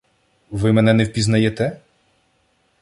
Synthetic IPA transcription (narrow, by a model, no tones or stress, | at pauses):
ʋɪmɛnɛnɛwpʲiznɐjɛt̪ɛ